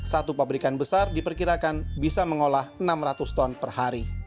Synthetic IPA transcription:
sat̪upabɾikanbəsardipərkiɾakanbisaməŋolahənamrat̪ust̪ɔnpərhaɾi

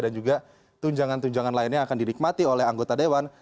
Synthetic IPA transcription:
dand͡ʒuɡa | t̪uɲd͡ʒaŋant̪uɲd͡ʒaŋanlaɪnɲaːkandinik̚mat̪iolɛɦaŋɡot̪adewan

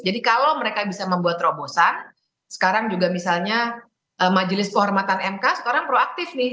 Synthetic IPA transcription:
d͡ʒadikalowməɾekabisaməmbuat̪ɾobosan | sə̥kaɾaŋd͡ʒuɡamisalɲa | ʔəmad͡ʒəlɪskəɦɔrmat̪anɛmkasə̥kaɾaŋpɾoak̚t̪ɪfnɪh

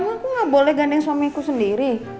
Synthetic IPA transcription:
ŋakuŋabolɛhɡandɛŋswamikusəndiɾi

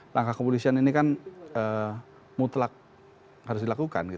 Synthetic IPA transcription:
lʔaŋkahkəpolisianinikanə | mut̪lak̚ | haɾʊs̬dilakuka̰nɡit

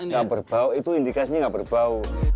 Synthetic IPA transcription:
ŋɡabərb̥auit̪uindikasiɲaŋɡaʔbərbau

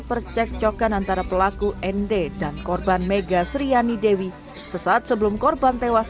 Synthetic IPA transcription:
pərt͡ʃɛk̚t͡ʃokanant̪aɾapəlakuʔɛndedankɔrbanmeɡasɾianidewi | səsaːt̪̚səbəlʊmkɔrbant̪ewas

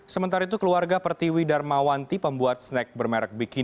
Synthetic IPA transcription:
səmənt̪aɾait̪̬ukəluarɡapərt̪iwidarmawant̪ipəmbuat̪̚snɛk̚bərmɛɾɛk̚biki

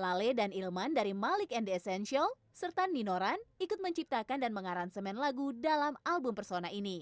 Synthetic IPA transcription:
laledanilmandaɾimalɪkɛndɛsɛnʃial | sərt̪anːinoɾanikʊt̪̚məɲt͡ʃip̚t̪akandanməŋaɾansəmɛnlaɡudalamalbʊmpərsonaini

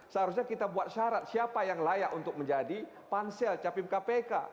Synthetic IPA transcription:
səɦaɾusɲakit̪abuat̪̚ʃaɾat̪̚siapajaŋlajaʔunt̪ʊk̚məɲd͡ʒadi | pansɛlt͡ʃapɪmkapeka̰

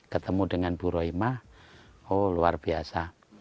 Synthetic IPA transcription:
kət̪əmudəŋanb̥uɾɔimaholuarb̥iasa

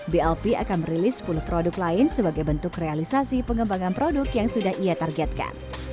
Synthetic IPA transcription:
biɛlpia̰kanməɾilɪspulʊhpɾodʊklaɪnsəbaɡajbənt̪ʊkrealisasipəŋɡəmbaŋanpɾodʊkjaŋsudahijat̪arɡɛt̪̚ka̰n

